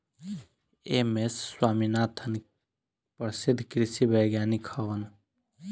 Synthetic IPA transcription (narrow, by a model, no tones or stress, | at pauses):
emesːwaːminaːt̪ʰən | pəɾsɪd̪ʱːkɾɪsibəjɡjaːnikʰɐʋən